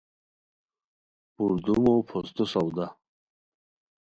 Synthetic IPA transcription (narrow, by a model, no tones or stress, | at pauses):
uɾd̪umopʰost̪osawd̪a